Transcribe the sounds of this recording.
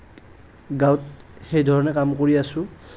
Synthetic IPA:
ɡawtxejdʱɔɹɔnɛkamkoɹiasʊ̃

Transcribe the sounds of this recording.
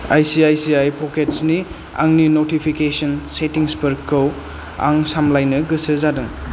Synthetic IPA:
ajsiajsiajpʰoketsni | a̰ŋninotipʰikesɐnsetiŋspɐɾkʰːɯw | a̰ŋsamlajnɐɡɯsɯzadɯŋ

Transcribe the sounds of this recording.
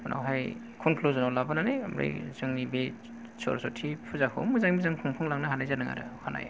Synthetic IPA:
na̰wɦaj | kʰɔnkʰluzɔnɔwlabananḛja̰mɾa̰jzɯŋnibe | sɔ̰ɾsɔtʰipʰɯzakʰɯ̰mɯzaŋmizaŋkʰɔŋpʰɯŋlaŋnahanajzanɯŋa̰ɾɯ̰hana̰j̰

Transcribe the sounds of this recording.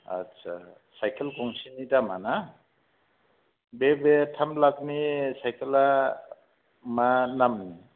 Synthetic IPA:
a̰tsʰa̰ | sajkʰelɡɔŋsinidamana | bebetʰamlak̚nisajkʰela | manamni

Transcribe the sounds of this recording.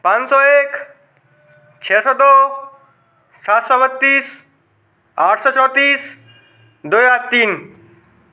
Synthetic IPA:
pansɔek | t͡ʃʰɛsɔd̪o | sat̪sɔbʌt̪ːis | aʈʰsɔt͡sʰɔt̪is | d̪ojat̪in

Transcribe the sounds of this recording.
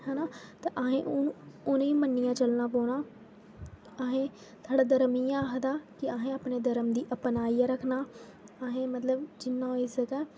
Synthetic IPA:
hɛːnaːt̪eʔəɦẽːʔʊʊneːĩːmənːɪjãːt͡ʃəlnaːpoːnaː | əɦẽː | t̪ʰaːɖaːd̪əɾəmiːãːɦd̪aːkɪaɦẽːaːpneːd̪əɾəmd̪iːʔəpnaːiaːɾəkʰnaː | əɦẽːmət̪ləbd͡ʒɪnːãːɪsəɡɛː

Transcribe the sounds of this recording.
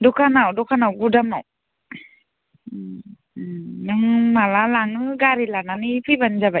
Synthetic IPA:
dɔkʰanawdɔkʰanawɡudamaw | nɯŋmalalaŋɯɡaɾilananipʰiband͡ʒaba

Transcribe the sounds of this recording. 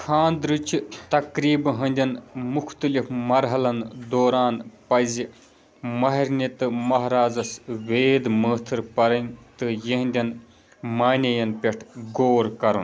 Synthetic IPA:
kʰaːnd̪ɾɨt͡ʃʰit̪ɐkɾiːbɦɐnʲd̪ʲɐnmukʰt̪ɨlifmɐɾɦɐlɐnd̪oːɾaːnpɐzi | mɐɦɐɾʲnʲit̪ɨmɐɦɾaːd͡zɐsʋeːd̪məːt̪ʰɨɾpɐɾɐnʲt̪ɨjɐɦnʲd̪ʲɐn | maːnʲɐjɐnpʲeʈʰɡoːɾkɐɾṵn

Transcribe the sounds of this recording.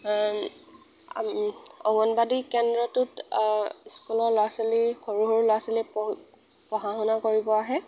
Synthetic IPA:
ɔɡɔnbadikɛndɹɔtʊt | skulɔɹloaselixoɹuɦɔɹlojasilip | pɔɦaɦɔnakoɹibɔaɦɛ

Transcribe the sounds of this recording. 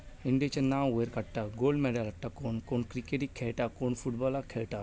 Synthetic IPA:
iɳɖiet͡ʃɐnaːʋeɾkɐʈːaɡoːlɖmeɖalɐʈːakoːnkonkɾikeʈikʰeʈakoːnfuʈbɔlakʰeʈa

